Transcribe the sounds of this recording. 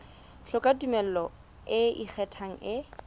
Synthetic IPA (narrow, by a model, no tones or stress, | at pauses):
ɬʰʊkʼadumɛl̩lɔ | ɪḭk͡xʰɛtʰaŋ̩ɪ